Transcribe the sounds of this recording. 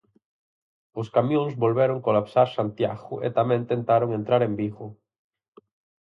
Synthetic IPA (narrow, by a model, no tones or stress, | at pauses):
oskamjõŋzβolβeɾoŋkolapsaɾsant̪jaɣʊʔḛt̪amẽnt̪ẽnt̪aɾoŋẽnt̪ɾaɾembiɣo